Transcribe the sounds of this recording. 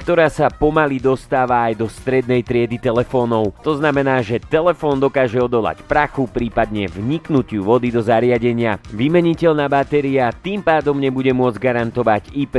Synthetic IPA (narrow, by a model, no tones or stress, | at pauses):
kt̪ɔɾaːsapɔmalid̪ɔst̪aːʋaːjd̪ɔst̪ɾɛd̪̚nɛjt̪ɾɪɛd̪it̪ɛlɛfɔːnɔʊt̪ɔznamɛnaːʒɛt̪ɛlɛfɔːnd̪ɔkaːʒɛɔd̪ɔla̰cpɾaxupɾiːpad̪ɲɛvɲiknucɪuʋɔd̪id̪ɔzaɾɪaɟɛɲɪaʋimɛɲicɛʎnaːbat̪ɛɾiat̪iːmpaːd̪ɔmɲɛbuɟɛmʊɔd͡zɟɡaɾant̪ɔʋaɟip